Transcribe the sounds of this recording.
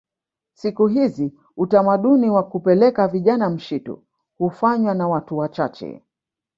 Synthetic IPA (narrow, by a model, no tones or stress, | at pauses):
sikuɦizi | utamaɗuniwakupɛlɛkaviʄanam̩ʃitṵ | hufaɲwanawatuwat͡ʃat͡ʃɛ̰